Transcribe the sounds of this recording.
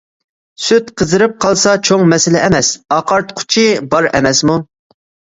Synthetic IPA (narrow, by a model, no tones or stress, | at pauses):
syt̪qʰəzɨɾɨp̚qʰɑlˠsɑt͡ʃʰoŋmɛsɪlɛɛmɛsɑqʰɑɾt̪qʰʊ̥t͡ʃʰɪbɑɾɛ̰mɛsmu